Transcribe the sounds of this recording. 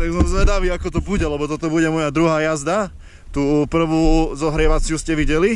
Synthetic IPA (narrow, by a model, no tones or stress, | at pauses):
t̪aɡzɔmzlɛd̪aʋiːakɔt̪ɔbuɟɛlɛbɔt̪ɔt̪ɔbuɟɛmɔjad̪ɾuɦaːjazd̪a | t̪uːpr̩ʋuːzɔɦɾɪɛʋat͡sɪuːscɛʋiɟɛli